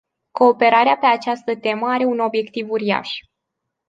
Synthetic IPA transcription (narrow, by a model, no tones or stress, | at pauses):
ko̞ːpe̞ɾaɾeape̞at͡ʃast̪ət̪e̞məaɾe̞uno̞bje̞kt̪ivuɾia̰ʃ